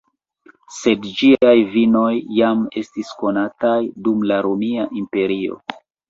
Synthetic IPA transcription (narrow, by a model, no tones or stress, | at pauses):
se̞dd͡ʒiajvino̞jːame̞̰stisko̞natajdumlaɾomiaʔimpe̞ɾio̞̰